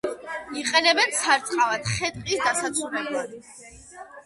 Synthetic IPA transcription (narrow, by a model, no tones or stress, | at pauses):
iqʼɛnɛbɛnsʰaɾt̪sʼqʼavad̪χɛt̪ʼqʼisd̪asat̪sʰulɛblˠad̪